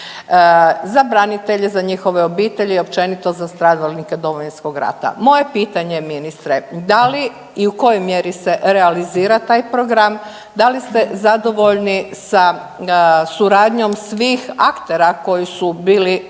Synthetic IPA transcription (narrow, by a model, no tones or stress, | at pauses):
zabɾanit̪eʎe̞zaɲixo̞ʋe̞o̞biːt̪e̞ʎeo̞pt͡ʃe̞nit̪o̞zast̪ɾaːd̪alniked̪o̞ʋojinsko̞ɡɾa̰t̪a̰mo̞je̞piːt̪aɲe̞minist̪ɾed̪ali | iuko̞jojmjeɾise̞ʔɾealiziːɾat̪aːjpɾo̞ɡɾam | d̪alist̪e̞zad̪o̞ʋo̞ʎnisa | suɾaːd̪ɲo̞msʋiːxakt̪e̞ɾako̞jisubiːli